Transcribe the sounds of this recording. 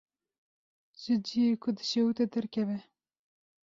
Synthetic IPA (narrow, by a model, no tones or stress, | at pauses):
ʒ̥ɪd͡ʒijekʰʊd̪ɨʃɛwut̪ɛd̪ɛɾkʲʰɛvɛ